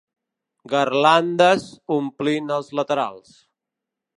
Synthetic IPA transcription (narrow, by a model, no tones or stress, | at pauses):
ɡərland̪əzumplinəlˠzlət̪əɾa̰lˠs